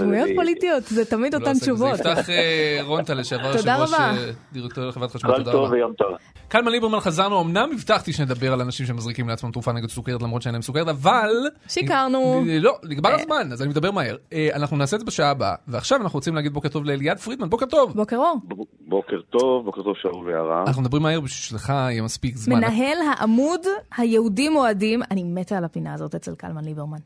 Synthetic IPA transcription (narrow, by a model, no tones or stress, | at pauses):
mujot̪polit̪ijot̪zet̪amid̪oantt͡ʃuvotvttaχeʁont̪aleʃeavaʁtod̪aʁʁabaad̪iʁektoileχevʁat̪χaʃmalod̪aʁovvejomt̪aʁa | kalmanibeʁmanχazaʁnuomnamːivt̪aχt̪iʃened̪abe̞ʁalanaʃimʃemazʁikimleat͡smamt̪ʁufaneɡed̪suke̞et̪lamʁotʃeenaemsukeet̪aval | ʃikaʁnulo̞liɡbaʁazmanazanimed̪abemahe̞ʁeanaχnunaːsedzebeʃaaba̰veaχʃavanaχnuot͡simleaɡid̚bo̞ket̪o̞vleljad̪fʁid̪manbo̞ke̞ʁt̪o̞vbokeʁoʁbo | bokeʁt̪o̞vboket̪ov̥ʃaulvea̰ʁa̰anaχnumed̪abʁimahe̞ʁbiʃiʃleχaijemaspikzmeannaaɦelɦaʔamudhajeudimoadimanimet̪ealapinaːzo̞tet͡selka̰lmanlibeʁman